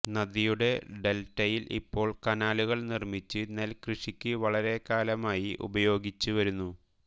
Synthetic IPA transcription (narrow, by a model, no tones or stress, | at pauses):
nɐd̪ijuɽe̞ɖe̞ltːɐjilʔḭpːo̞ːɭkɐnaːluɣɐɭnirmit͡ɕːɨne̞lkrɨʂikʲːɨʋɐɭɐɾe̞kaːlɐmaːjiʔṵbɐjo̞ːɡit͡ɕːuʋɐɾunːu